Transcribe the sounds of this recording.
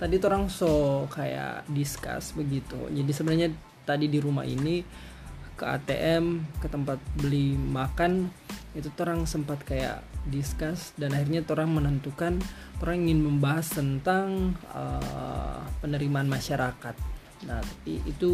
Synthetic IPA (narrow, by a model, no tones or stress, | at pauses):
t̪adit̪oɾaŋsokaja̰ʔdiska̰sbəɡit̪ṵd͡ʒadisəbənarɲa | t̪adidiɾuma̰ʔḭni | kəa̰t̪ḛʔɛmkət̪əmpat̪̚bəlimakanit̪ut̪oɾaŋsəmpat̪kaja̰ʔdiskasdanahirɲat̪oɾaŋmənənt̪ukant̪oɾaŋiŋɪnməmbaɦast̪ənt̪aŋə̰ | pənəɾimaːnmaʃaɾakat̪̚ | nat̪ḁpḭʔit̪u